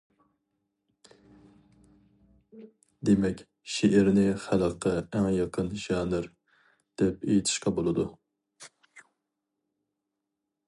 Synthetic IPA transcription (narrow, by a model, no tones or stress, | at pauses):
d̪emɛkʲ | ʃeʔɪɾnɪχælˠəqʰːəæŋjɑqʰənʒɑːnɨɾ | d̪̥ɛp̚ejit̪ʰɪ̥ʃqɑbolˠɨd̪u